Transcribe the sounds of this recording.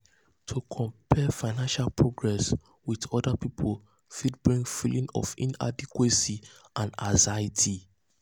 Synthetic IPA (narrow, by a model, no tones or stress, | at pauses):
tʰukʰɔ̃mpʰɛfaɪnãnʃalpʰɹoɡɹɛs | wiðɔdapipʰol | fid̚bɹĩŋfilĩŋɔ̰fḭ̃na̰dikwesi | ʔãnazajitʰi